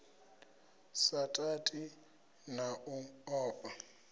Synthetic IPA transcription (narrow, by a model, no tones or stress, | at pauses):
satʼatʼi | naʔuɔːpʼa